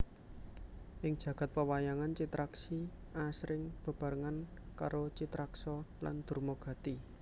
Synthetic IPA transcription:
ʔɪŋ̥ʒ̥ä̤ɡ̥a̤t̪̚pəwajaŋant͡ʃit̪ɾaksi | ʔasɾɪŋb̥ə̤b̥a̤ɾəŋanka̰ɾot͡ʃit̪ɾaksɔla̰nd̪̥ṳrmoɡ̥ä̤t̪i

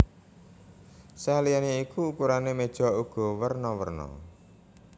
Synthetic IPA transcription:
salijaneikuːkuɾanemed̥ʒ̥ɔ̤uɡ̥ɔ̤wərnɔwə̰rnɔ̰

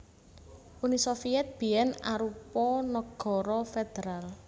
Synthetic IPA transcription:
ʔunisɔfiɛt̪̚b̥ijɛna̰ɾupɔnɔɡ̥ɔ̤ɾɔfed̪̥eɾal

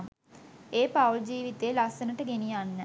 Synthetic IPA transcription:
eːpawld͡ʒiːʋit̪eːlasənəʈəɡenijanːə

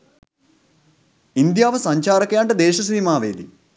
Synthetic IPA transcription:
ind̪jaːʋɐsɐɲt͡ɕaːɾɐkjaːɳʈɐd̪eːʃɐsiːmaːʋeːd̪i

